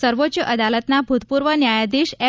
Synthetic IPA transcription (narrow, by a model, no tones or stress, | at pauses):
səɾʋot̪ːt͡ɕjəʔəd̪alət̪nabʱut̪puɾʋənjajad̪iɕe